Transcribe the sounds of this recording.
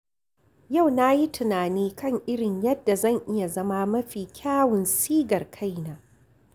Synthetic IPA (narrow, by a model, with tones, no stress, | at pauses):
ja˦˨wna˦ji˦tʊ˨naː˨niː˦kɐ˦ŋʔɪ˦ɽɪ˨ɲjɐ˦dːa˨zɐ˦˨ŋʔɪ˦ja˨zɐ˦ma˦mɐ˦ɸiː˨kʲʰaː˦wʊ˨nsiː˦ɡɐ˨rkʰa˦jnaː˨